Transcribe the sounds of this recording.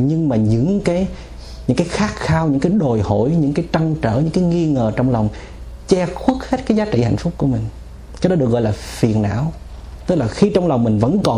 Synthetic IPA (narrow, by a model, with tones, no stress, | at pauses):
ɲɨ˧ŋmaː˨˩ɲɨ̰˧˥ŋkaː˨˦j | ɲɨ̰˧˥ŋkaː˨˦jxaː˦˥k̚xaː˧wɲɨ̰˧˥ŋkaː˨˦jɗo˨˩jho̰˧˩˨jɲɨ̰˧˥ŋkaː˨˦jt͡ɕa˧ŋt͡ɕəː˧˩ɲɨ̰˧˥ŋkaː˨˦jŋi˧ŋəː˨˩t͡ɕɔ˧wŋ͡mlɔ˨˩wŋ͡m | t͡ɕɛ˧xwi˦˥t̚he˦˥t̚kaː˨˦jzaː˨˦t͡ɕḭ˧˨ha̰˧˨jŋ̟fʊ˦˥k͡p̚ku˧˩əmï˨˩ŋ̟ | kaː˧˦˥jɗɔ˨˦ɗɨ˨˩ək̚ɣɔ̰˧˨jlaː˨˩fi˨˩ənʔa̰ː˧˨w | t̪ɨ˦˥k̚laː˨˩xi˧t͡ɕɔ˧wŋ͡mlwŋ͡mmï˨˩ŋ̟və̰˧˥nkɔ˨˩